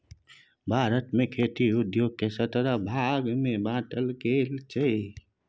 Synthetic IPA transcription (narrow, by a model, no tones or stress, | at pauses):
bʱaːɾət̪mẽkʰeːt̪iʊd̪joːɡ̚kesət̪ɾabʱaːɡmẽbãːʈəlkeːlt͡ʃəi